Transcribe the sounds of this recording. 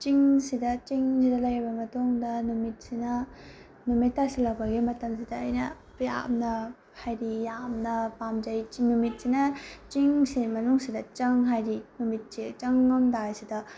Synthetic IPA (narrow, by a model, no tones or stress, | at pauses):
t͡ʃiŋsidɐt͡ʃiŋsidɐlɐjbɐmɐtoŋdɐnumit̚sinɐ | numitːasilɐk̚bɐɡimɐtɐms̬idɐːjnɐ | ja̰mnɐ | hajɾijamnɐpamd͡ʒɐjt͡ʃinumit̚sinɐt͡ʃiŋsimɐnuŋsidɐt͡ʃɐŋɦajɾinumit̚sit͡ʃɐŋnomdajsidɐ